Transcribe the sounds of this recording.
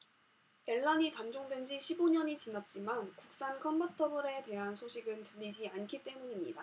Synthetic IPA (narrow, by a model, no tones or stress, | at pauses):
e̞ɭːaɲitand͡ʑoŋdwend͡ʑiɕʰiboɲʌɲit͡ɕinat̚t͡ɕ͈imankuk̚s͈ankʰʌmbʌtʰʌbɯɾe̞te̞ɦansʰoɕʰiɡɯntɯʎːid͡ʑiankʰit͈e̞muɲimɲḭda